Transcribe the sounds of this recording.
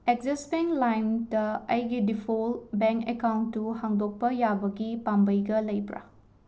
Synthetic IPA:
ek̚zesbeŋlajndɐɐjɡidipʰolbeŋkekawntːuhaŋdok̚pɐjabɐɡipambɐjɡɐlɐjpɾa̰

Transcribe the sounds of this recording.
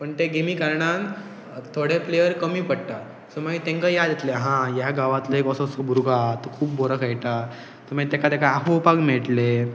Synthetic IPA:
pəɳt̪eɡemiːkəɾɳãn | t̪ʰoɽeplejəɾkəmiːpəɽʈa | səmaɡit̪ẽŋkajad̪et̪leɦãjaɡaʋat̪ləekɔsəsəbuɾuɡat̪kʰuːp̚boɾəkʰajʈa | t̪əmait̪ekat̪ekaaɦopaɡmeɭʈle

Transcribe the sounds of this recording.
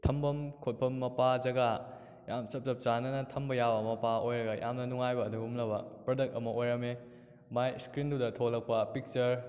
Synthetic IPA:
tʰɐmbɐmkʰot̚pʰɐmːɐpazɐɡa | jamsɐp̚sɐp̚t͡ʃanɐnɐtʰɐmbɐjabɐmɐpaojɾɐɡɐjʔa̰mnɐnuŋajbɐːduɡumlɐbɐpɾɐdɐk̚tɐmɐʔojɾɐme | majskɾindudɐtʰolɐk̚pɐpik̚t͡ʃɐɾ

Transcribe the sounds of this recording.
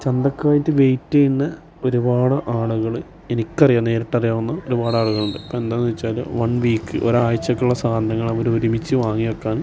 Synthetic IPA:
t͡ɕend̪ɐkːaːjitːɨʋejtːɐjiɳːɐ | o̞ɾubaːɽɨʔaːɭuɣɐɭ | e̞nikʲːɐrijaːnːe̞ːɾiʈːɐrijaːʋɐnːɐo̞ɾubaːɽaːɭuɣɐɭuɳɖɨɐpːoːend̪aːnːiʋɐt͡ɕːaːl̰ʋɐɳʋiːkːɨ̰ʔo̰ɾaːjɐt͡ɕːɐkːuɭːɐsaːnd̪ʱɐŋːɐɭɐʋɐɾoɾumit͡ɕːɨʋaːŋːijɐkːaːn

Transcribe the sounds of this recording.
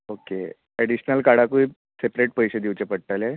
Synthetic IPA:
oke | eɽiɕnəlkaɽakuiː | sepɾeʈ̚pəjɕed̪iʋt͡ɕepəɽʈale

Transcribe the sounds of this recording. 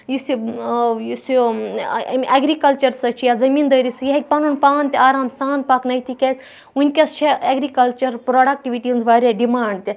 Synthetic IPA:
jisujusu | mʲʔɐɡɾikɐlt͡ʃɐɾsɐt͡ʃʰijazɐmiːnd̪ɐːɾisɨjɐɦek̚ʲpɐnunpaːnt̪ʲaːɾaːmsaːnt̪̚paknɐjt̪ʰikʲɐs | unʲkʲɐst͡ʃʰiɐɡɾikɐlt͡ʃɐɾpɾoɖɐk̚ʈiʋiʈinzʋaːɾʲaɖimaːɳɖt̪ʲi

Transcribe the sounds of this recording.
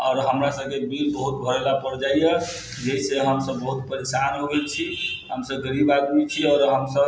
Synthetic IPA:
ɔːɾɦəmɾasəbkebilbəɦut̪̚bʱəɾelapəɾd͡ʒajə | d͡ʒeiseɦəmsəbːəɦut̪̚pəɾesanɦobet͡ʃʰiɦəmsəbɡəɾibad̪mit͡ʃʰiɔːɾɦəmsəb

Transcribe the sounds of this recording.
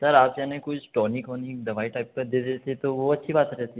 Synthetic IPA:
sɐɾaːpjanẽkʊt͡ʃʰʈɔːnɪkɦonikd̪ɐʋaːiʈaːɪp̚pɐɾd̪ed̪et̪ʰet̪oʋoɐtːʃʰibaːt̪ɐɾɛɦt̪i

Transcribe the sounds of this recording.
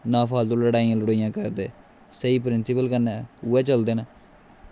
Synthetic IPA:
nãːpʰaːlt̪oːləɽaːijãːləɽoːijãːkəɾd̪ḛː | səiːpɾɪnsɪpəlkənːɛːuɛːt͡ʃəld̪eːnaː

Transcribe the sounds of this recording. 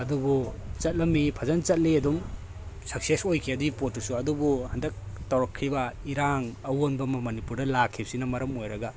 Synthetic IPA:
ɐdubut͡ʃɐt̚lɐmːipʰɐzɐnt͡ʃɐt̚liɐdum | sɐk̚sesojkʰiɐdipot̚ːusuɐdubuhɐndɐk̚tawɾɔkʰːɾibɐiɾaŋɐwonbɐmɐmɐnipuɾdɐlakʰːip̚sinɐmɐɾɐmojɾɐɡa

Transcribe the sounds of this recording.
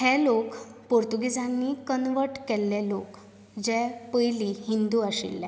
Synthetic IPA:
hɛlokpoɾt̪uɡid͡zanːikənʋəɾʈkɛlːɛlok | d͡ʑɛpəjlihind̪uːaɕḭlːɛ

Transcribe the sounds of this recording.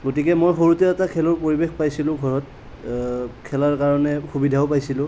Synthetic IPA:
ɡotikɛmojxoɹutɛɛtakʰɛlɔɹpoɹibexpajsilʊ̃ɡʱɔɹɔt̚ | kʰɛlaɹkaɹɔnɛxubidʱaopajsilʊ̃

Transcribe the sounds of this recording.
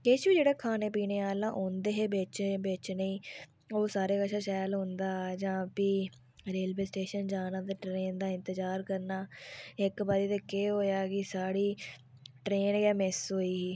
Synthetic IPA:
kɪt͡ʃʋiːd͡ʒeːɽeːkʰaːneːp̬iːneːaːlãːʔõːnd̪eːɦeːbeːt͡ʃːbeːt͡ʃnəĩː | oːsaːɾeːkəʃaːʃaːjlɦõnd̪aːd͡ʒãːpiː | ɾeːlʋeːsʈeːʃənd͡ʒaːnãːt̪eːʈɾeːnd̪aːɪ̃nt̪əd͡ʒaːɾkəɾnaːɪkbaːɾiːt̪eːkeːɦoːjaːkɪsaːɽiː | ʈɾeːnɡaːmɪsɦoːiːɦiː

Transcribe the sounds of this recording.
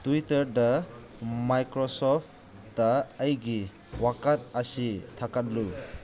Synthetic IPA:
tuitɐɾda | majkɾɔsɔp | daːjɡi | wakat̚asitʰakat̚lu

